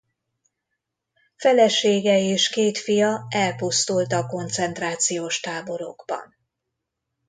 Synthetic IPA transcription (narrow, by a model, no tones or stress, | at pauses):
fɛlɛʃeːɡɛeːʃkeːt̪fijɒɛlpust̪ult̪ɒko̞nt̪sɛnt̪raːt̪sijoːʃt̪aːbo̞ɾo̰ɡ̥bɒ̰n